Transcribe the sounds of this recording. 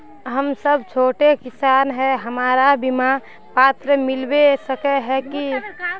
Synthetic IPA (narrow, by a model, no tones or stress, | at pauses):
ɦəmsəbt͡ʃʰoːʈekɪsaːnɦɛɦəmaːɾabima | paːt̪ɾəmɪlbesəkeɦɛki